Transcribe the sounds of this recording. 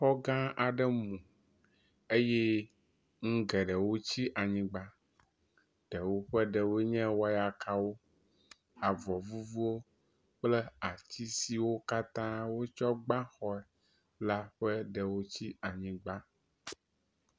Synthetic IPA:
xɔ˦ɡã˦a˨ɖɛ˦mũ˨ | e˦jɛ˦ | ŋ̩̃˦ɡɛ˨ɖɛ˨wo˦t͡ɕi˦ʔa˨ɲĩ˦ɡ͡ba˦ | ɖ̥ɛ˨wo˦ɸɛ˦ɖɛ˨wo˦ɲɛ̃˦wɔ˦ja˨kʰa˦wo˦ | a˨vɔ˨vu˦vu˦wo˦ | k͡plɛ˦a˨t͡ɕi˦si˨wo˦ka˦t̪ã˦wo˦t͡ʃɔ˦ɡ͡bã˦xɔ˦ɛ˨ | la˦ɸɛ˦ɖɛ˨wo˦t͡ɕi˦a˨ɲĩ˦ɡ͡ba˦

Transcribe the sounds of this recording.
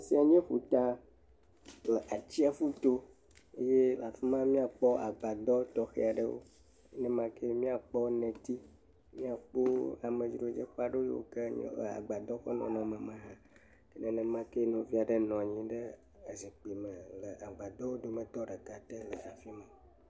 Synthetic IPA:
si˦a˨ɲẽ˦ɸu˨t̪a˦ | lə˨ʔa˨t͡ɕi˦a˨fu˦t̪o˦ | e˦je˦la˨fi˦mã˦mĩ˦a˨k͡pɔ˦ʔa˨ɡ͡ba˨d̪ɔ˦t̪ɔ˦xḛ˦a˨ɖə̰˦wo̰˦ | e˦nɛ̃˦mã˦ke˦mĩ˦a˨k͡pɔ˦nɛ̃˨t̪i˦ | mĩ˦a˨k͡po˦a˨mẽ˨d͡ʒi˨ɾo˦d͡ʒḛ˦xa˦ɖo˦jḛ˦wo̰˦ke˦ɲ̰˦lə̰˨a̰˨ɡ͡ba˨d̪ɔ˦xɔ˦nɔ̰̃˨nɔ̃˨mə̃˨mã˦ɦã˦ | e˦nɛ̃˦nɛ̃˦mã˦ke˦nɔ̃˦vi˦a˨ɖe˦nɔ̃˨ɲĩ˦ɖə˦ | e˨zi˨k͡pi˨mə̃˨lə˨a˨ɡ͡ba˨d̪ɔ˦wo˦d̪o˦mẽ˦t̪ɔ˦ɖə˨ka˨t̪e˦lə˨ʔa˨fi˦mə̃˨

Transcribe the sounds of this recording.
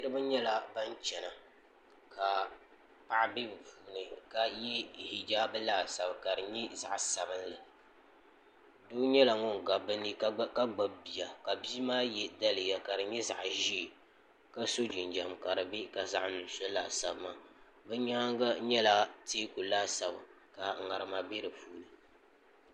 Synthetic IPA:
ɨ˦ɾɨ˦bɨ˦ɲɛ˦la˨ba˦nt͡ʃɛ˨na˨ | ka˨ | pa˦ʔbi˦˨vu˨˦nɨ˨ka˨jɛ˦hi˨d͡ʒaː˦bɨ˦laː˦˨sa˨bka˨dɨ˨ɲɛ˦za̰˨ʔsa˨bɨ˦nlɨ˨ | doː˦ɲɛ˦la˨ŋɔ˦ŋ˨ɡa˨bɨ˦ni˦ka˦ɡ͡ba˨bbi˨ja˨ka˨bi˦maː˦jɛ˦da˦lɨ˨ja˨ka˨dɨ˨ɲɛ˦za̰˨ʔʒi˦˨ | ka˦so˦d͡ʒi˨nd͡ʒa˨mka˨ɾɨ˨be˦ka˨za̰˦ʔnɨ˨n˨˦sɔ˦la̰˨sa˨bɨ˦ma˨ | bɛ˦ɲaː˦ŋ˦ɡa˦ɲɛ˦la˦teː˦ku˨laː˦sa˨bɨ˨ | ka˨ŋa˨ɾɨ˨ma˨be˦ɾɨ˨puː˦nɨ˨

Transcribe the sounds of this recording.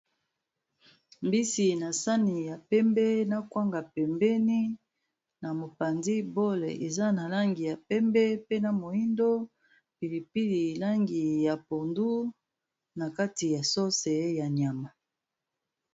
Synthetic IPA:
mbi˦si˨na˨sa˦ni˨ja˨pɛ˦mbɛ˦na˦kwa˦ŋɡa˨pɛ˨mbɛ˦ni˦ | na˨mo˨pa˨nzi˦bo˦lḛ˨ʔe˨za˦na˨la˦ŋɡi˨ja˨pɛ˦mbɛ˦pe˦na˨mo˨i˦ndo˦ | pi˨li˨pi˦li˨la˦ŋɡi˨ja˨po˨ndu˦ | na˨ka˦ti˨ja˨so˦sɛ˨ja˨nja˨ma˨

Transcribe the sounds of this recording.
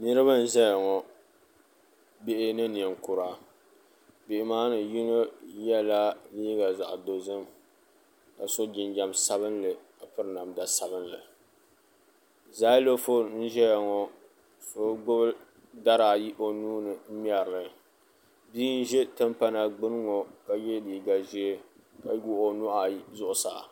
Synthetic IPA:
nɨ˦ɾɨ˦ba˦n̩˦ʒɛ˦ja˨ŋɔ˨ | be˦ʔɪ˦nɨ˦ni˨ɛ˨ŋkʊ˨ɾa˨ | bɪ˨ʔɪ˨maː˦nɨ˨ji˦ŋo˦jɛ˦la˦liː˦ɡa˨za̰˨ʔdo˨zɨ˦m | ka˨so˦d͡ʒɪ˨nd͡ʒa˨msa˦bɨ˦nlɨ˨ka˨pɨ˦ɾɨ˨na˨mda˨sa˨bɨ˦nlɨ̰˨ | zaː˦lo˦fo˦n̩˦ʒɛ˦ja˨ŋɔ˨ | so˦ɡ͡bʊ˦bɨ˦ | da˦ɾa˨ji˦ʔo˨nuː˦nɨ˨˦m˦ɛ˨ɾlɨ˨ | biː˦n̩˦ʒɛ˦tɨ˦mpa˦na˨ɡ͡bɨ˦n˦ŋɔ˨ka˨jɛ˦liː˨ɡa˨ʒi˦ɛ˦ | ka˨˦ɡu˦o˨nʊ˦ʔa˨˦zʊ˦ʔʊ˨sa̰˨

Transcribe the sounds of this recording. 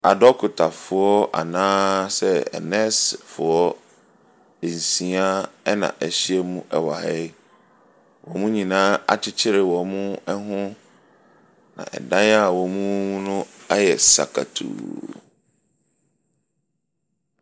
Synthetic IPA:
a˨dɔ˦kʰʊ˨tʰa˨fʊ˨ɔ˦a̰˨nãː˦sɛ˦ɛ̰˨nɛ̃˦sfʊ˨ɔ˦˨ | n̩˨sĩ˨a˦ɛ˦nã̰˨ʔæ˨ɕi˦ɛ˦mũ˦ʔɛ˨wa˨hɛ˦ | wɔ̃˨mũ˦ɲĩ˨nãː˦a̰˨t͡ɕʰɪ˦t͡ɕʰɪ˦ɾɪ˨wɔ̃˨mũ˦ɛ˦ɦʊ̃˦ | nã̰˨ʔɛ̰˨dã˦na˦wɔ̃˨mũ˦mũ˦nʊ̃˦a˦jɛ˨sa̰˨kʰa̰˨tʰṵː˨

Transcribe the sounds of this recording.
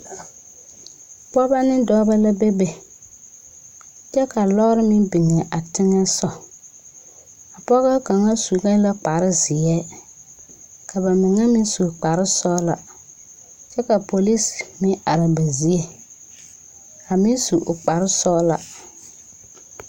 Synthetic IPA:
pɔ˦ba˦nɪ˦dɔː˦ba˦la˦be˦be˨ | t͡ʃɛ˦ka˨lɔ˦ɾɪ˦mɪ˦bɪ˨ŋ˨ɛ˨ʔa˨tɪ˦ŋɛ˦sɔ˦ | a˨pɔ˦ɣɛ˦ka˨ŋa˦su˨ɡa˦la˦k͡pa˨ɾɪ˦zɪ˨ɛ˦ | kʰa˨ba˨mɪ˨ŋa˦mɪ˦nsu˨k͡pa˨ɾɪ˦sɔ˦la̰˨ | t͡ʃɛ˦ka˨po˨li˦smɪ˦a˨ɾa˨ba˨zi˦e˦ | ka˨mɪ˦nsu˨ʔʊ˨k͡pa˨ɾɪ˦sɔ˦la̰˨

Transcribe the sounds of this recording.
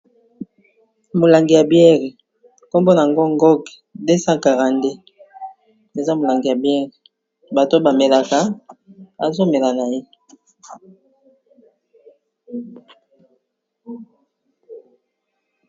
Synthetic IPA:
mo˨la˨ŋɡi˨ja˨bjɛ˦ʁe˨ | ko˦mbo˦n˨a˨ŋɡo˦ŋ˦ɡɔ˦ɡde˦sa˦ka˨ʁa˨nde˦ | e˨za˦mo˨la˨ŋɡi˨ja˨bjɛ˦ʁe˨ | ba˨to˦ba˨me˨la˨ka˨ | a˨zo˦me˨la˨na˨je˦

